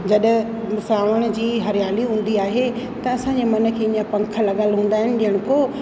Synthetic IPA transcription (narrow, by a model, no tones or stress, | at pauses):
d͡ʑɐɗ | saːʋəɽ̃̆d͡ʑiːɦɐɾjaːliɦũːn̆d̪iaːɦe | t̪ɐɐsãɲd͡ʑemɐnə̆kʰeːɪɲəpɐ̃ŋkʰə̆lɐɠəlɦũːn̆d̪aːɦɪnɪ̆ɗɪɦəɽ̃koː